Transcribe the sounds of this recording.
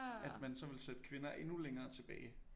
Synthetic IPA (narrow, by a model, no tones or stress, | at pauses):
æd̥mænsɒ̽ʋe̝lsed̥ə̥kʰʋe̝nɐʔe̝nuleŋɐːt͡sʰe̝b̥ɛ̰ːɪ